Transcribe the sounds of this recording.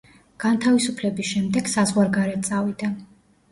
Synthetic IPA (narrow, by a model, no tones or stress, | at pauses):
ɡ̥ant̪ʰavisupʰlɛbisʃɛmd̪ɛɡ̥sazʁwaɾɡaɾɛt̪̚t̪sʼavid̪a